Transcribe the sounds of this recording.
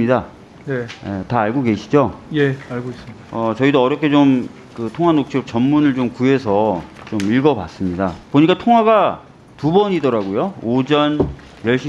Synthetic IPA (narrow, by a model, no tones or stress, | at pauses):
ida | nejetaːɭɡoɡe̞ɕʰid͡ʑojeaɭɡoes͈ʌt͡ɕʌidoʌɾjʌkʰe̞t͡ɕom | kɯtʰoŋɦwanok̚t͡ɕʰiok̚t͡ɕʌmːunɯɭt͡ɕomkuɦe̞sʰʌt͡ɕomiɭɡʌpas͈ɯmɲidapoɲik͈atʰoŋɦwaɡa | tubʌɲidʌɾaɡojood͡ʑʌn | jʌɭɕ͈i